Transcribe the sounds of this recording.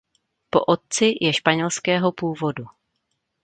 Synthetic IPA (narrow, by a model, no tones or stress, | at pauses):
po̞̰ʔo̞t̪̚t͡sɪjʔɛʃpaɲɛlskɛːɦo̞puːvo̞du